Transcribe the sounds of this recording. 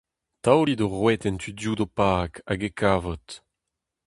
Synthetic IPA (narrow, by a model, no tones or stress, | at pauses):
t̪awlid̪oʁwɛt̪ɛnt̪ʰydjuːdopaːkaɡekʰaːvɔt̪